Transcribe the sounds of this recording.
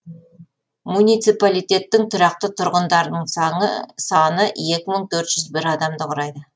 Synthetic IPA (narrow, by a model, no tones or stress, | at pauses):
munijt̪sijpalijt̪ʲe̞t̪ːɪŋt̪ʰʊɾɑq̚t̪ət̪ʰʊɾʁənd̪ɑɾd̪əɴsɴəsɑnəe̞kʲɪməɴt̪ʰɵɾt̪ʒ̥ʏzbɪɾɑd̪ɑmd̪əqʰʊɾɑjd̪ə